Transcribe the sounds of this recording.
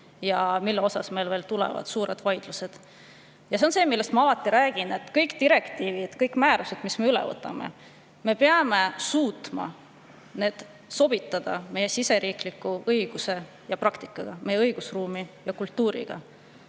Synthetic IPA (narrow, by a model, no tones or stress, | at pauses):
jɑmilːeo̞sɑsme̞lveːlt̪ulḛvɑ̰d̪̥suːɾe̞d̪̥vɑjd̪̥luse̞d̪̥ | jɑseonse̞ːmilːe̞st̪mɑɑlɑt̪ːˑiɾæːɡ̥inet̪ːˑkɤjkt̪iɾe̞kt̪iːvid̪̥kɤjkːˑmæːɾuse̞d̪̥misme̞ylḛvɤ̰t̪ːˑɑ̰mḛ | me̞peɑme̞suːt̪ˑmɑ̰ | ne̞ːd̪̥ | so̞b̥it̪ːˑɑd̪̥ɑ̰me̞je̞sise̞ɾiːklikːuɤiɡ̥use̞ | jɑprɑkt̪i̥kːˑɑɡ̥ɑmʔe̞jeɤjɡ̥usruːmijɑkult̪ːˑuːɾḭɡ̥ɑ̰